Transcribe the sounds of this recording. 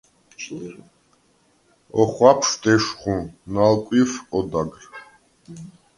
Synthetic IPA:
ɔχwapʰʂd̪ɛʃχũnalkʷʼifɔd̪aɡr

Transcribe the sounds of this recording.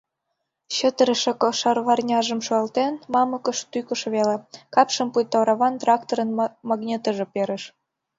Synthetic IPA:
ɕə̆t̪əɾə̆ʃĕkʃɑrβɑrnʲɑʒə̆mʃoɑlt̪enmɑmɤ̆kə̆ʃt̪ykə̆ʃβelekɑpʃə̆mpujt̪ɑwɾɑβɑnt̪rɑkt̪oɾə̆nmɑɡnʲet̪ə̆ʒĕpeɾə̆ʃ

